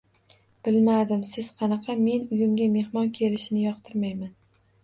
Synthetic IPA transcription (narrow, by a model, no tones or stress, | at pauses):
b̥ɪlmad̪ɪmsɪz̥qʰɑnɑqʰɑme̞nʊjɪmɡʲame̞hmɒnkʲʰe̞lɪʃɪnɪjɒq̚t̪ʰɪɾmajman